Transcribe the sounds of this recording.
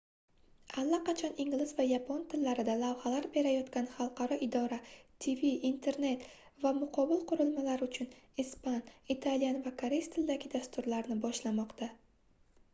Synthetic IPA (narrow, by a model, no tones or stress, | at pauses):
alːaqɑt͡ʃʰɒnɪŋlɪzvajapʰont̪ʰɪlːaɾɪd̪alavhalaɾbe̞ɾajɒt̪kʲanχɑlˠqʰɑɾɒʔɪd̪ɒɾat̪ʰiviːnt̪ʰe̞ɾne̞t̪ | vamʊqʰɒbɪlˠqʊɾɪlmalaɾʊt͡ʃʰʊnispanit̪ʰalijanvakʰaɾest̪ʰɪld̪aɡʲɪd̪ast̪ʊɾlaɾnɪbɒʃlamɒqt̪ʰa